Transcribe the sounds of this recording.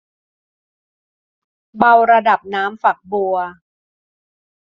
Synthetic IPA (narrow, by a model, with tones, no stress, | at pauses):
ba˧wɾa˧da˨˩p̚naː˦˥mfa˨˩k̚bu˧ɐ